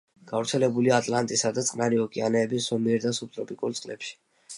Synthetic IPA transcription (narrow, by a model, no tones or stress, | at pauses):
ɡ̥avɾt̪sʰɛlɛbuliaːt̪ʼlant̪ʼisad̪at̪sʼqʼnaɾiɔkʼianɛːbisːɔmiɛɾd̪asup̚t̪ʼɾɔpʼikʼuɾt̪sʼqʼlɛ̰pʃi̥